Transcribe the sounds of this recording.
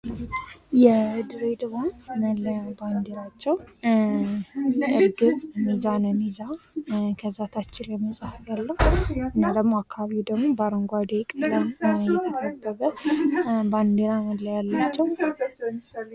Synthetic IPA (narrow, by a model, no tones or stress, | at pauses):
jɛd̪ɨɾed̪ɨβanməlːəjaband̪eɾat͡ʃːɛw | jʔɨɾɡɨβmizanəmizakʰəzːat̪ʰat͡ʃːɪljɛməsʼahɡalːəhuɨnːad̪əɡmoakːaβaβiud̪əɡmobaɾəŋɡʷad̪ekʼələmjɛt̪ʰəkʰəbːəβə | band̪eɾaməlːəjalːat͡ʃːɛw